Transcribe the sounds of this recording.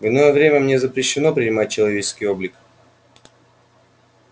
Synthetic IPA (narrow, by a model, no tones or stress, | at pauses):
vʲɪnojəvɾʲemʲəmnʲezəpɾʲɪɕːɪno̞pɾʲɪnʲɪmat̚ʲt͡ɕːɪlˠɐvʲet͡ɕɪ̥skʲɪjo̞blʲɪk